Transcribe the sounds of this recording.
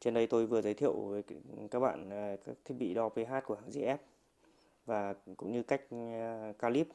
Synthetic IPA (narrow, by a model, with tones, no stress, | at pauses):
t͡ɕe˧nɗə˧jt̪o˧jvɨ˨˩əzəː˨˦jt̪ʰḭ˧˨əwvəː˨˦jkaː˦˥k̚ɓa̰ː˧˨nː˨˩ka˦˥k̚t̪ʰi˦˥k̚ɓḭ˧˨ɗɔ˧pə˨˧˦ɦaː˦˥t̚ku˧˩əɦaː˧˩ŋzi˧ʔɛ˦˥p̚ | vaː˨˩kʊ̰˧˥ŋ͡mɲɨ˧ka˦˥jk̟̚kaː˧li˦˥p̚